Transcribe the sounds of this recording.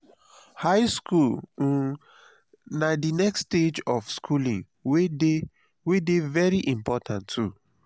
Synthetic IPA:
haɪskul̩ | nadinɛksted͡ʒɔfskʰulĩŋ | we | wedevɛɹiʔĩmpɔtãntʰːu

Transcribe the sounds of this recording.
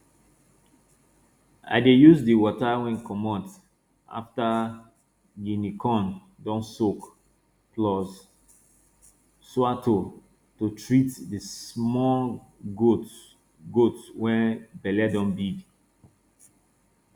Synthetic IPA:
a̰ɪdejuzdiwɔtawɛ̃nkɔmɔt | a̰fta | jinikɔ̃n | dɔ̃nsok | plɔs | swatʰo | totɹitdismɔɡot | ɡotswɛ̃nbɛlɛdɔ̃nbiɡ

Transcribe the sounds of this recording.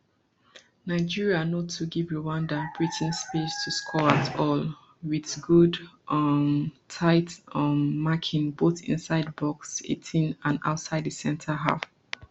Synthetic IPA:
naɪd͡ʒiɹianotʰuɡivɹiwãndab̥ɹitʰɪ̃nspestʰuskʰɔɹatʰɔl | wiðɡud | ʌmtʰaɪtʌmːakʰɪ̃nboθɪ̰̃nsaɪd̚bɔksḛtʰĩnãna̰ʊtsaɪdðəsɛ̃ntʰəɦa̰f

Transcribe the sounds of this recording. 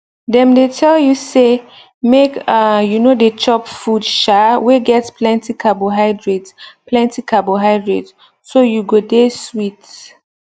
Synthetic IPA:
dɛ̃mdetʰɛljuse | mekajunodet͡ʃʰɔpfudʃaweɡɛtspʰlɛ̃ntikʰaboɦaɪdɹitplɛ̃ntikʰaboɦaɪdɹid | sojuɡodeswit

